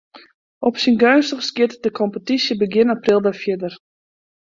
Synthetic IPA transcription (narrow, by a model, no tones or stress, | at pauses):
ʔɔpsinɡœɥnstəχskjɪtdəkʰɔmpətisjəbəɡɪnaprilˠdɛfjɪdər